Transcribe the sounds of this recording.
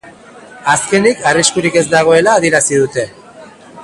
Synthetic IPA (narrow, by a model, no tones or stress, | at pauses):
aske̞nikariskuɾike̞zd̪aɣ̞o̞e̞laːðieɾasið̞ut̪e̞